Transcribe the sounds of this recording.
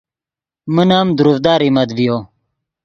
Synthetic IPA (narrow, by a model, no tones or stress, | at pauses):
mənaːmd̪uɾufd̪aːɾimɐd̪vijo